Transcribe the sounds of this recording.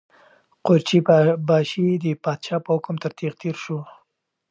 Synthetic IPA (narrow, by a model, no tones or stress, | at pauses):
qoɾt͡ʃibɑʃid̪əpɑd̪ʃɑpəhʊkmt̪əɾt̪iɣt̪eɾʃu